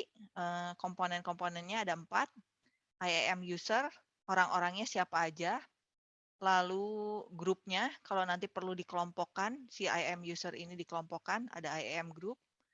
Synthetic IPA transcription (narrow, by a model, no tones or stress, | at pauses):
əkɔmponɛnkɔmponɛnɲaːdampat̪̚ | ʔajɛɛmjusər | oɾaŋʔoɾaŋɲasiapaːd͡ʒa | laluɡɾup̚ɲakalawnant̪ipərludikəlɔmpɔkansia̰jɛmjusərinidikəlɔmpɔkana̰daajɛmɡɾup̚